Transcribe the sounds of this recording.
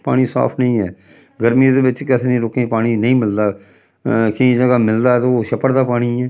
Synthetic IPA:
paːɽ̃iːsa̰ːpʰnəĩːɛː | ɡəɾmid̪eːbɪt͡ʃkɪt̪ʰːnẽːɾoːkẽːpaːɽ̃iːnəĩːmɪld̪aː | kɪĩːd͡ʒəɡaːmɪld̪aːt̪ooːʃəpəɾd̪aːpaːɽ̃iːɛː

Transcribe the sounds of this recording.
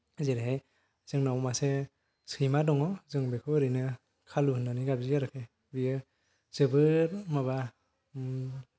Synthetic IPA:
zeɾɦej | z̥ɯŋnawmase | sʰɯjmadɔŋɔzɯŋbekʰɔɾɯjnɯ | kʰaluhɯnaniɡabzijaɾɯkʰe | bijɯ | z̥ɯbɯɾmaβa

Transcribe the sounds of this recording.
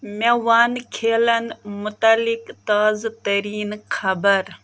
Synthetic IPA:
meʋaːnkʰeːlɐnmʊt̪alikt̪aːzt̪ɐɾiːnkʰɐbəɾ

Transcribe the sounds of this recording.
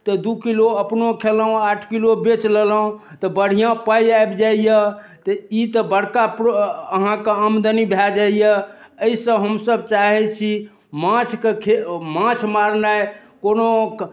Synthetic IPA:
t̪ɔd̪ukiloəpnokʰeləɦũaʈʰkilobet͡ʃleləũt̪ɔbəɽ̤ijãpajaebd͡ʒaijə | t̪ɔit̪əbəɽ̤kapəɦãkeəmd̪ənibʱɛd͡ʒaijəəisə̃ɦəmsəbt͡ʃaɦɛt͡ʃʰi | mãt͡ʃʰkekʰemãt͡ʃʰmaɾnaekono

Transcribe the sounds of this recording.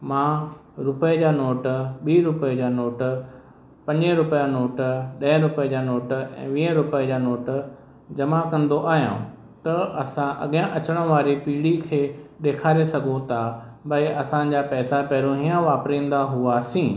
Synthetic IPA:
mãːɾʊped͡ʑaːnoːʈɓiːɾʊped͡ʑaːnoːʈ | pɐ̃ɲd͡ʑəɾʊpjanoːʈɗɐə̃ɾʊped͡ʑaːnoːʈɛ̰̃ːʋĩːə̃ɾʊped͡ʑaːnoːʈ | d͡ʑɐmakɐ̃nd̪oʔaːɦjã̰ | t̪ɐɐsãʔɐ̰ɠjə̃ʔɐt͡ɕəɽ̃ə̃ʋaːɾipiːɽikʰeːɗeːkʰaːɾesɐɡʱõt̪ʰa | bɐiʔɐsãd͡ʑaːpɛːsapɛːɾõɦiːãʋaːpɾĩːn̆d̪aɦʊasĩː

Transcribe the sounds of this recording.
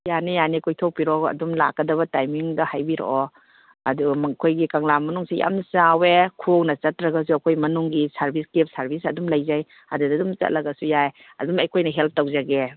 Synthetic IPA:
janijanikʰojtʰowpiɾɔɐ̰dumla̰kːɐdɐβɐtajmiŋdɐhajbiɾo̰ɔ | ɐdumɐkʰojɡikaŋlamɐnuŋseja̰mnsawekʰoknɐt͡ʃɐtɾɐɡɐs̬uɐkʰojmɐnuŋɡisaɾbʱiskep̚saɾbisɐdumlɐjzaj | ɐdudɐdumt͡ʃɐ̰t̚lɐɡɐsujaj | ɐ̰dumɐjkʰojnɐɦelp̚ʰtawzaɡe

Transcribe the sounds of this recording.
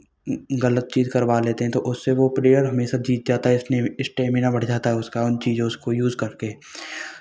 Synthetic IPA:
ɡɐlət̪̚t͡ʃiːzkɐɾʋaleːt̪eɦɛ̃t̪oʔʊsːeʋopɾeːjəɾɦɐmeːʃad͡ʒiːt̪̚d͡ʒaːt̪aɦɛɪsneɪsʈeːmɪ̃nabɐɽ̤d͡ʒaːt̪aɦɛʊskaʊnt͡ʃiːd͡ʒõʊskojuːzkɐɾke

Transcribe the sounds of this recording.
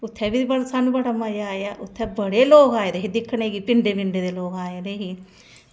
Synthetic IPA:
ut̪ʰːebiibɐsɐnubɐɽɐmɐjaːjaʔut̪ʰːebɐɽeloːkaːjɐd̪eɦid̪ikʰːɐɳeɡipiɳɖepiɳɖed̪eloːɡaːjɐd̪eɦi

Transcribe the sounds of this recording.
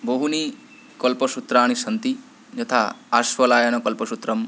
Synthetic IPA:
boɦuni | kɔlpɔʃut̪ɾaːɽ̃iʃɐnt̪i | d͡ʒɐt̪ʰaaʃʋɐlaːjɐnɔkɐlpɔʃut̪ɾɐm

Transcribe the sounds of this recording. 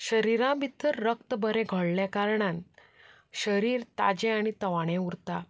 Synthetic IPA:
ɕəɾiɾãbʱit̪ːəɾːək̚t̪əbəɾẽɡʱəɭljakaɾɳãn | ɕəɾiːɾt̪a̰d͡ʑɛ̃aɽ̃it̪əʋaɽ̃ẽuɾt̪a

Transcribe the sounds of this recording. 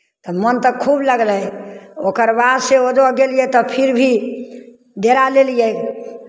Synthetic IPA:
t̪ɔmənt̪əkʰubləɡləjokəɾbad̪seod̪ɔɡelijɛt̪ɔpʰiɾbʱi | d̪eɾalelijɛ

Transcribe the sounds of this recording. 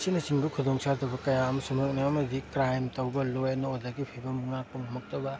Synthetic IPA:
sinɐt͡ʃiŋbɐkʰudɔŋsadɐbɐkɐjaɐmɐsumɐk̚niɐmɐdikɾajmtɐwbɐlojɐnoodaɡipʰibɐmuŋak̚pɐŋmɐk̚tɐbɐ

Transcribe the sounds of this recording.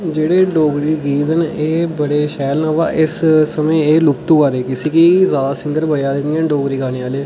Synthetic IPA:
d͡ʒeːɽeːɖoːɡɾiːɡiːd̪əneːbəɽeːʃɛːlnaːʋa̰ːʔɪssəmẽːeːlʊkt̪ũːkaːɾeːkɪsiːkiːzaːd̪aːsɪ̃ŋɡəɾbʱəjaːd̪ɪnijãːɖoːɡɾiːɡaːneːaːleː

